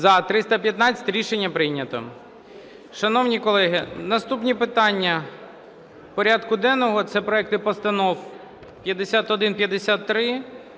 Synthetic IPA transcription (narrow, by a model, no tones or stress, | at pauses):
zɐt̪ɾɪst̪ɐpʲjɐt̪nɑt͡sʲɐ̥t̪ʲɾʲiʃenʲːɐpɾɪjnʲɐt̪ɔ̰ | ʃɐnɔwnʲikɔlˠɛɦɪnɐst̪upnʲipɪt̪ɑnʲːɐ | pɔɾʲad̪kʊd̪ɛnɔɦɔt̪sɛpɾɔɛk̚t̪ɪpɔst̪ɐnɔw | pʲjɐd̪esʲat̪ɔd̪ɪnpʲjɐd̪esʲat̪ːɾɪ